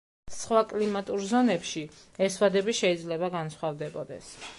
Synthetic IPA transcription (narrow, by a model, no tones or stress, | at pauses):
sχwakʼlimat̪ʼuɾzɔnɛpʃi | ɛswad̪ɛbiʃɛid̪zlɛbaɡansχwavd̪ɛbɔd̪ɛ̰s